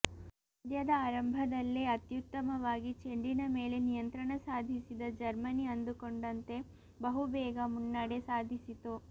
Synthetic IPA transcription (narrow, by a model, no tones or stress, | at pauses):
ɐd̪jɐd̪ɐaːɾɐmbʱɐd̪ɐlːiɐt̪jut̪ːɐmɐʋaːɡit͡ʃeɳɖinɐmeːle̞nijɐnt̪ɾɐɳɐsaːd̪ʱisid̪ɐd͡ʒɐɾmɐniɐnd̪ukoɳɖɐnt̪e̞ | bɐɦubɛːɡɐmunːaːɽesaːd̪ʱisit̪u